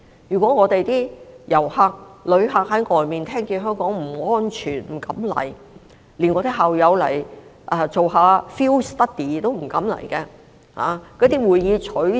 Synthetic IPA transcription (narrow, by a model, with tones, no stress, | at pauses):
jyː˨˩kʷɔː˨˥ŋɔː˨˧t̪e˨jt̪iː˥jɐ˨˩whaː˧k̚lɵ˨˧ɥɦaː˧k̚hɐ˨˥jŋɔː˨˧jmiː˨˩nt̪ʰɛː˥ŋkiː˧ɦœː˥ŋkɔː˨˥ŋm̩˨˩ŋɔː˥nt͡ʃʰyː˨˩nm̩˨˩kɐ̰˨˥mlɐ̰˨˩j | liː˨˩nŋɔː˨˧t̪i˥ɦaː˨wjɐ˨˧wlɐ̰˨˩j | ʔɛː˨˧t͡so˨wɦaː˨˧fiː˥wst̪ɐ˥k̚t̪iː˨˩t̪o˥wm̩˨˩kɐ˨˥mlɐ̰˨˩jkɛ˧ | ha̰ː˨˧kɔː˨˥t̪iː˥wuː˨˧jːiː˨˧t͡ʃʰɵ˨˥